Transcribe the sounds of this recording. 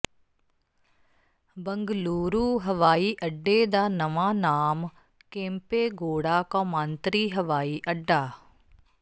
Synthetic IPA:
bəŋɡluːɾuːɦəʋaːiːʔəɖːeːd̪aːnəʋãːnaːm | kẽːmpeːɡoːɽaːkãːmãːnt̪ɾiːɦəʋaːiːʔəɖːaː

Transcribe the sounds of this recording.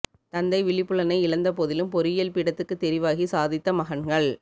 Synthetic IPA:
t̪ɐnd̪ɐɪʋɪɭɪpːɯɭɐnɐɪɪɭɐnd̪ɐpɔðɪlɯmpɔɾɪjɐlpɪɽɐt̪ːɯkːɯt̪ːɛɾɪʋaːɣisaːðɪt̪ːɐmɐɣɐnɡɐɭ

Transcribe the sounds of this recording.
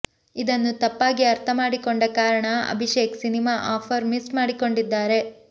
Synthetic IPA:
id̪ɐnːut̪ɐpːaːɡiɐɾt̪ʰɐmaːɽiko̞ɳɖɐkaːɾɐɳɐɐ̰bʱiʃeːksinimaːʔaːpʰɐɾmismaːɽiko̞ɳɖid̪ːaːɾe̞

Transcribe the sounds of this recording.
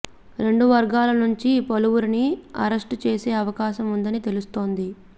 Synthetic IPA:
ɾe̞ɳɖuʋɐɾɡaːlɐnuɲt͡ʃipɐluʋuɾiniɐ̰ɾɐsʈt͡ʃeːseːɐʋɐkaːʃɐmund̪ɐnit̪e̞lust̪o̞ːnd̪i

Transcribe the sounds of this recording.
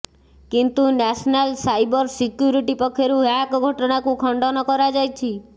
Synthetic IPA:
kint̪unɛsnalsajbɔɾsikjuɾiʈipɔkʰːeɾuakɡʱɔʈɔnakukʰɔɳɖɔnɔkɔɾad͡ʒajt͡ʃʰi

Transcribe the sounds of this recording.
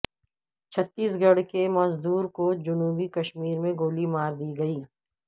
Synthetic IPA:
t͡ʃʰɐt̪ːiːs̬ɡɐɽkemɐzd̪uːɾkod͡ʒʊnuːbikɐʃmiːɾmẽɡoːlimaːɾd̪iːɡɐiː

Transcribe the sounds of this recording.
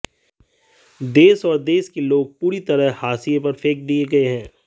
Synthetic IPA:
d̪eːsɔːɾd̪eːskeloːɡ̚puːɾit̪ɐɾəɦhaːsijepɐɾfʰeːk̚d̪ieɡɐeɦɛ̃ː

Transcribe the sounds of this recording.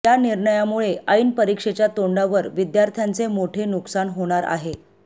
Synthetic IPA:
janiɾɳəjamuɭeəinpəɾikʂet͡ɕjat̪oɳɖaʋəɾʋid̪jaɾt̪ʰjant͡semoʈʰenuksanɦoɽ̃aɾa̰ɦe

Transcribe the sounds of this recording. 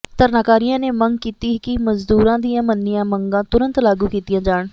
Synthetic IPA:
t̪əɾnaːkaːɾijãːneːməŋɡkiːt̪iːkɪməzd̪uːɾãːd̪ijãːmənːɪjãːməŋɡãːt̪ʊɾənt̪laːɡuːkiːt̪ijãːd͡ʒaːɳ

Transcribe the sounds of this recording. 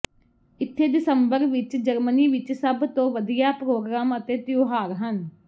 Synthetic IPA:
ɪt̪ʰːeːd̪ɪsəmbəɾʋɪt͡ʃd͡ʒəɾməniːʋɪt͡ʃsəbt̪õːʋəd̪ijaːpɾoːɡɾaːmət̪eːt̪joːɦaːɾɦən

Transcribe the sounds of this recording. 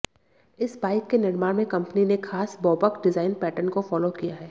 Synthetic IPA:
ɪsbaːɪkːenɪɾmaːɾmẽkɐ̃mpəninexʰaːsbɔːbəkɖɪzaːɪnpɛːʈənkofɔːlokijaɦɛː

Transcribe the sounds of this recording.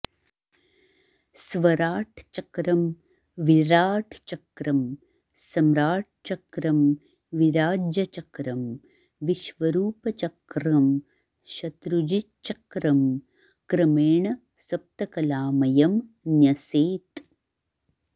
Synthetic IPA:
sʋɐɾaːʈʰt͡ʃɐkɾɐm | ʋiɾaːʈʰt͡ʃɐkɾɐm | sɐmɾaːʈ̚t͡ʃɐkɾɐm | ʋiɾaːd͡ʒjɐt͡ʃɐkɾɐm | ʋiʃʋɐɾuːpɐt͡ʃɐkɾɐm | ʃɐt̪ɾud͡ʒi | t͡ʃɐkɾɐm | kɾɐmeːɳɐ | sɐp̚t̪ɐkɐlaːmɐjɐmnjɐseːt̪

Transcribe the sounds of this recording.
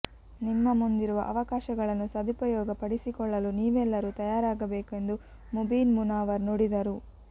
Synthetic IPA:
nimːɐmund̪iɾuʋɐ̰ʔɐʋɐkaːʃɐɡɐɭɐnːusɐd̪ʱipɐjɔːɡɐpɐɽisikɔɭːɐluniːʋɛlːɐɾut̪ɐjaːɾaːɡɐbeːkue̞nd̪u | mubiːnmunaːʋɐɾnoɽid̪ɐɾu

